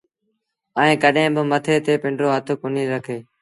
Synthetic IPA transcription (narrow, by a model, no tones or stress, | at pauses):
əĩːkəɗẽːbɪmət̪ʰeːt̪eːpɪɳɖɾoːɦət̪ʰʊkʊniːɾəkʰeː